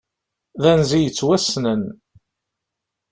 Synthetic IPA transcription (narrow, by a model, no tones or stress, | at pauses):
ðænzijət͡sːwæsnən